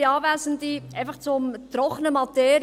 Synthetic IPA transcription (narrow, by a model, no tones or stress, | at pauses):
ɑːvæːzənd̪iʔæɪfɑχt͡sʊmt̪ɾɔχənəmɑt̪eːɾ